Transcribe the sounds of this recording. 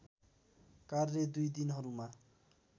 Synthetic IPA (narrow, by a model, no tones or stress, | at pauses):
karːed̪ujd̪inɦʌɾuma